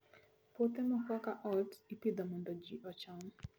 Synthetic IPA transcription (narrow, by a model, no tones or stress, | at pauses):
pot̪ɛmɔkwakaʔɔtipid̪ɔmɔndɔd͡ʒiʔɔt͡ʃɔn